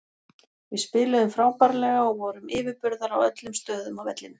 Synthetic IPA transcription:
vɪðspɪːlʏðʏmfɾaːwkaɾlɛɣaɔɣvɔɾʏmɪːvɪɾpʏɾðaɾawœt̪lʏmst̪œːðʏmawvɛt̪lɪn

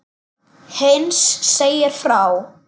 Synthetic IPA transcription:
hensːeːjɪɾ̥fɾaw

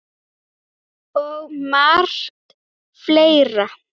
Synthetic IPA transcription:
ɔɣmar̥t̪ | fleːjɾa

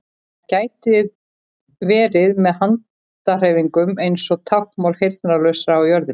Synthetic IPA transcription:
caːjt̪ɪð | vɛːɾɪðmɛðɦant̪ | ar̥eːjviŋkʏmejnsɔɣt̪ʰawhkmawlhejɾt̪̚naɾlœɥsɾawjœɾðɪ

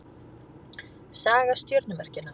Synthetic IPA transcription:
saːɣast̪jœɾt̪nʏmɛr̥cɪnːa

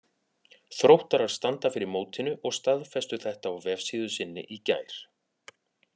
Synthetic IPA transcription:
θɾowht̪aɾaɾ̥st̪ant̪afɪɾɪɾmoːwt̪ʰɪnʏʔɔɣst̪aðfɛst̪ʏθɛht̪aːawvɛv̥siːðʏsɪnːɪ̰ʔica̰ːjɾ̥

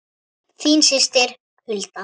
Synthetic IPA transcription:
θiːnsɪst̪ɪɾ̥ | hɪlt̪a

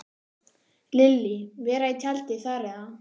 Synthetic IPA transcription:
lɪlːɪvɛːɾait̪ʰalt̪ɪθarɪa

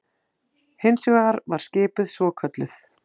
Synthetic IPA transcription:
hɪnsʏɣaɣaɾvaɾ̥scɪːpʏðsvɔːkʰœt̪lɪθ

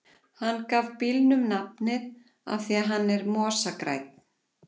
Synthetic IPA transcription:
hanːkaːvpilnʏmnapnɪð | a̰fθiaɦanːɛɾmɔːsakɾa̰jt̪̚n̥

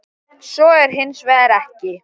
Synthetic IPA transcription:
sɔɛɾ̥ɦɪnːsvɛːðɪɾɛhcɪ

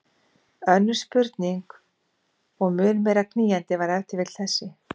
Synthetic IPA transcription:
œnːʏ̥spʏɾt̪niŋk | ɔɣmʏːnmɛːɾakʰniːjant̪ɪvaɾɛwt̪ɪvɪt̪l̥θɛsːɪ

